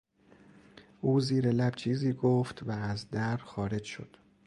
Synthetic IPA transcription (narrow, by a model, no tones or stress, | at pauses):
ʔuːziːɾelæb̥t͡ʃʰiːziːɡoft̪væːzd̪æɾdxɒːɾe̞d͡ʒʃo̰d̪̥